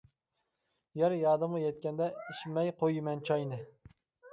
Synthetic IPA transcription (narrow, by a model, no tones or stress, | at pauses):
jɛɾjɑːd̪ɨmʁɑjɛt̪̚kʲɛnd̪ɛiʃmɛjqʰojmɛnt͡ʃʰɑjnɨ